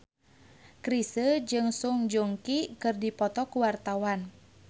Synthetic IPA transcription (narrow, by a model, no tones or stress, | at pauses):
kɾisəd͡ʒɨŋsuŋd͡ʒoŋkikɨrdipɔt̪ɔkuwart̪awan